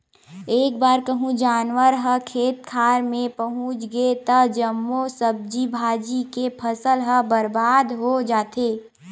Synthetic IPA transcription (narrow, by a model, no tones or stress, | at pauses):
eːk̚baːɾkəɦũd͡ʒaːnwəɾɦəkʰeːt̪̚kʰaːɾmẽpəɦũt͡ʃɡəet̪əd͡ʒəmːosəb̚d͡ʒibʱaːd͡ʒikepʰəsəlɦəbəɾbaːd̪ɦod͡ʒaːt̪e